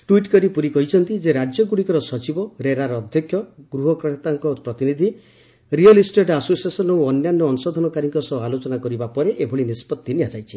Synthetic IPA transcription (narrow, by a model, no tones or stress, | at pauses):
ʈuiʈkɔɾipuɾikɔɦit͡ʃʰɔnt̪id͡ʒeɾad͡ʒjɔɡuɽikɔɾɔsɔt͡ʃibɔɾeɾaɾɔːd̪ʱjɔkʰjɔɡɾuɦɔkɾɔʈt̪aŋkɔpɾɔt̪inid̪ʱi | ɾiɔlisʈeʈasosiesɔnɔwɔnjanːɔːnusɔd̪ʱɔnɔkaɾiŋkɔsɔalot͡ʃɔnakɔɾibapɔɾeʔebʱɔɭinispɔt̪ːiniad͡ʒajt͡ʃʰi̥